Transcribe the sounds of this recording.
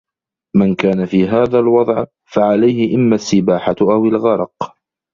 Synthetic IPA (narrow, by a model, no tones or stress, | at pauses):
mankaːnafiːɦaːðaːlwɑd̪ˤʕ | faʕalajhɪʔɪmːasːɪbaːħaʔawɪlɣɑɾˤɑq